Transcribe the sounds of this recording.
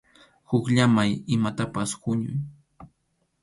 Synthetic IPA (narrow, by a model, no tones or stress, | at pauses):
hʊkʎamajɪmat̪apashʊɲʊ̰j